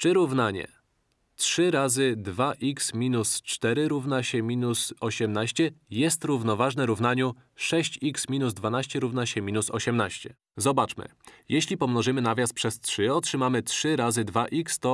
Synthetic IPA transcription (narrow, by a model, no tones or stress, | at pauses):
t͡ʂɘɾuvnaɲɛ̰ | tʂɘɾazɘd̪vaʔiksmʲinust͡ʂt̪ɛɾɘɾuvnaɕɛmʲinusɔɕɛmnaɕt͡ɕɛjɛst̪ɾuvnɔvaʐnɛɾuvn̪aɲu | ʂɛɕt͡ɕiksmʲinuzd̪vanaɕt͡ɕɛɾuvnaɕɛmʲinusɔɕɛmnaɕt͡ɕɛ | zɔbat͡ʂmɘ̰jɛɕlʲipɔmnɔʐɘmɘnavʲjast̪pʂɛstʂɘɔtʂɘmamɘtʂɘɾazɘd̪vaʔikst̪ɔ